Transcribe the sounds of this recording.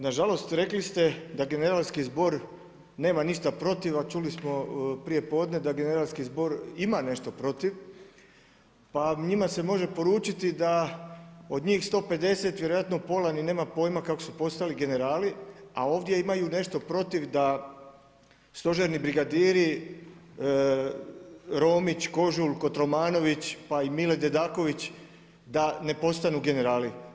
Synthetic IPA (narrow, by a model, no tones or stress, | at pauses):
naʒalo̞st̪ɾe̞klist̪e̞d̪aɡe̞ne̞ɾalˠskizbo̞ɾ | ne̞ːmaniʃt̪apɾo̞t̪iʋat͡ʃulismo̞pɾije̞po̞ːd̪ne̞d̪aɡe̞ne̞ɾalskizbo̞ɾimane̞ʃt̪o̞pɾo̞t̪iʋ | paɲimase̞mo̞ʒe̞po̞ɾuːt͡ʃit̪id̪a | o̞d̪ɲiːxst̪o̞ːpe̞d̪e̞se̞t̪ʋjeɾojat̪nopo̞lanine̞ːmapo̞ːjmakako̞supo̞st̪aliɡe̞ne̞ɾaːlia̰o̞ːʋd̪je̞imajune̞ʃt̪o̞pɾo̞t̪iʋd̪a | st̪o̞ʒeɾnibɾiɡad̪iːɾi | ɾo̞ːmit͡ɕko̞ʒulko̞t̪ɾo̞maːno̞ʋit͡ɕpaimiled̪ed̪aːko̞ʋit͡ɕ | d̪ane̞po̞st̪anuɡe̞ne̞ɾaːli